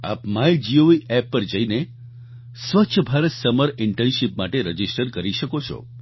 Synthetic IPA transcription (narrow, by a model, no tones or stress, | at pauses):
a̰pmajd͡ʒioiɛpːəɾd͡ʒəine | sʋətːt͡ʃʰəbʱaɾət̪səməɾɪɳʈenʃipmaʈeɾəd͡ʒisʈəɾkəɾiʃəkot͡ʃʰɔ̰